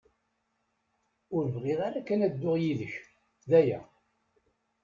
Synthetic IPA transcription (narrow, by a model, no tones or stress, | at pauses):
ʊɾvʁɪðaɾækːænæd̪ːʊʁjiðəç | ðæjæ̰